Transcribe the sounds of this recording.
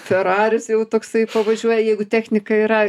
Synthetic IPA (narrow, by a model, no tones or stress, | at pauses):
fʲɛɾɑːɾʲʊsjɛʊt̪oːksɐɪpɐʋɐʒʲuɔjɛjɛɪɡʊt̪ʲæːxʲnʲɪkɐiɾɐ